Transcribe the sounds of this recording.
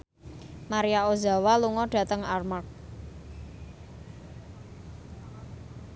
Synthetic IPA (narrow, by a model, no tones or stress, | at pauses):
maɾijaoza̤waluŋɔɖ̥ä̤t̪əŋarmark̚